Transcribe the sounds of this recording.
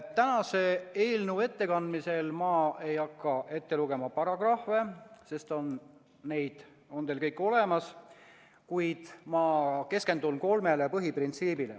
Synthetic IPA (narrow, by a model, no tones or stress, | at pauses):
t̪ːænɑse̞eːlnue̞t̪ːe̞kɑnd̪mise̞lmɑːʔe̞jɑkːɑʔe̞t̪ːe̞luɡ̥e̞mɑpɑɾɑɡ̥rɑhve̞se̞st̪o̞nː | e̞jd̪̥ | o̞nt̪e̞ːlkɤ̞jkːˑo̞le̞mɑs | kujd̪̥mɑke̞ske̞nd̪unko̞lme̞lepɤɦiprint̪siːbilḛ